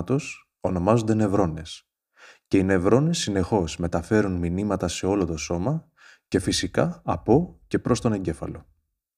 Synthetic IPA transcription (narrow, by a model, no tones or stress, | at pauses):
t̪o̞s | o̞no̞mɐzond̪e̞ne̞vɾo̞ne̞s | ce̞ine̞vɾo̞ne̞sːine̞xo̞zme̞t̪ɐfe̞ɾunminimɐt̪ɐse̞o̞lo̞t̪o̞so̞mɐ | ce̞fisikɐɐpo̞ce̞pɾo̞st̪o̞ne̞ɲɟe̞fɐ̰lo̞